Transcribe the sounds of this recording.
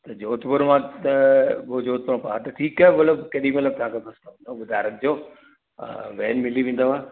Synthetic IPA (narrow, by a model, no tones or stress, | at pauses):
t̪ɐd͡ʑoːt̪bʊɾmãt̪ɐbod͡ʑoːt̪̚bʊɾmãpaat̪ɐʈʰiːkaːeʋɐləbkɐɗimɐt̪ləb̚t̪ɐɦãkʰebɐst̪ad̪õɓʊd̪ʱaːɾɐk̚d͡ʑo̰ː | ʋɛːnmɪliʋẽːn̆d̪oaː